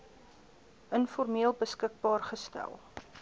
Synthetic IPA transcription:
ənfɔrmiəlˠbəskək̚bɑːrχəstæ̰lˠ

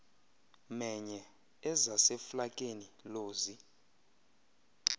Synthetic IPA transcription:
mɛɲɛ | ɛzasɛflakʼeniloːzi

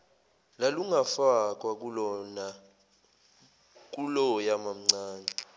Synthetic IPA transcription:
laluŋafak̬ʼwak̬ʼulɔna | k̬ʼulɔjamam̩ŋ͡ǀaːnɛ

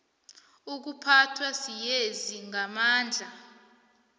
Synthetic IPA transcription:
uk̬upʰatʰwasijeziŋamaːnd͡ɮʱa

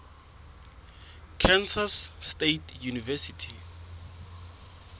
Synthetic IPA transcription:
kʰɛnsasːtetʰjunivɛsitʰi

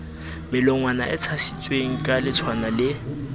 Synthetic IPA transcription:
mɪlɔŋwana̰ʔɪt͡sʰasi̥t͡sʼweŋ̩kʼalɪt͡sʰwanalɪ

